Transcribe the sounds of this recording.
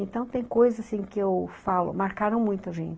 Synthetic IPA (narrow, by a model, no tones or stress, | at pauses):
ẽnt̪ɐ̃w̃t̪ẽj̃kojzɐzasĩkɪewfalʊ̰maɾkaɾɐ̃w̃mũj̃t̪ʊɐʒḛ̃nt͡ʃɪ